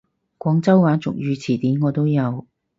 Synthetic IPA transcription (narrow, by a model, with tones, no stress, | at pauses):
kʷɔː˨˥ŋt͡sɐ˥wwaː˨˥t͡sʊ̰˨k̚jyː˨˧t͡sʰiː˨˩t̪iː˨˥nŋɔː˨˧t̪o˥wjɐ˨˧w